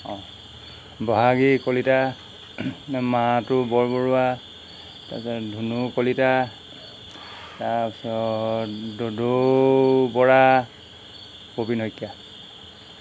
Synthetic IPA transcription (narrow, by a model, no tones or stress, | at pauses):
ɔ̃ | bɔɦaɡikolita | nmaatʊbɔɹbɔɹua | ta̰sadʱunukolita | tasɔ | dodo | bɔɹa | pobinɦojkːja